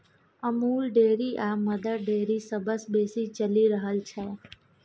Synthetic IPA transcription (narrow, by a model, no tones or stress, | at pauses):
əmuːlɖeɾiʔaməd̪əɖeɾisəbəsbesit͡ʃəliɾəɦəlt͡ʃʰe